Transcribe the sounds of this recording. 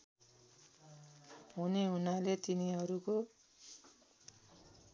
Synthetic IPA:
ɦuneɦunalet̪iniʌɾuko

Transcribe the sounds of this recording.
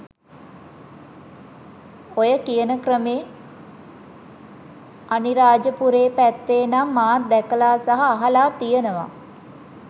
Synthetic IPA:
ojəkijənəkrəmeː | aniɾaːd͡ʒəpuɾeːpæt̪ːeːnamːaːt̪̚d̪ɛkəlaːsaɦaːɦalaːt̪ijənəʋa̰

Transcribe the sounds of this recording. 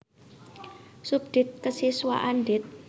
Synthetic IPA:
sub̚d̪̥ɪ̤t̪̚kəsiswa̰ʔanɖɪt̪̚

